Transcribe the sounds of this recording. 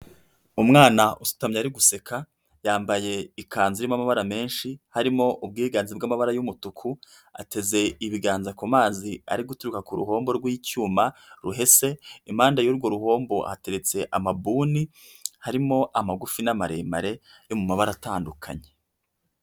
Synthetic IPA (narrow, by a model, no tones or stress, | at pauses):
umŋaːnaʔusu̥tamɲeaɾiɡuse̞kʰa | jaːmbaje̞ikʰaːnziɾimamaβaɾame̞ːnʃihaɾimo̞ʔub̚ɡiːɡaːnzibɡamaβaɾajumutukʰu | a̰te̞ze̞iβiɡaːnzakomaːzia̰ɾiɡutuɾukakuɾṵɦo̞ːmbo̞ɾɡwicuːmaɾuɦe̞se̞im̥haːndajuːɾɡo̞ɾuho̞ːmbo̞ha̰te̞ɾe̞t͡se̞ʔamabuːni | haɾimo̞ʔamaɡufinamaɾe̞̰ːma̰ɾe̞ | jo̞mumaβaɾataːndukʰa̰ɲe̞̥